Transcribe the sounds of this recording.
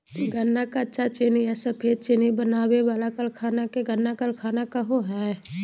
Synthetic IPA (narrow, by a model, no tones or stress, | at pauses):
ɡənːakatːʃʰat͡ʃeniɛsəpʰeːd̪t͡ʃenibənaːweʋaːlakəlkʰaːnakeɡənːakəlkʰaːnakaɦoɦɛ